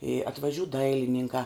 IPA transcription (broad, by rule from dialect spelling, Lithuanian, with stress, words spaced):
ɪ ɐtʋɐˈʒʲuː ˈdɐɪlʲɪnʲɪŋkɑː